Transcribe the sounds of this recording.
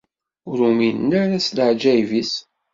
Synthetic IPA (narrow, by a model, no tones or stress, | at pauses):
ʊɾuminːæɾæsləʕd͡ʒæjvis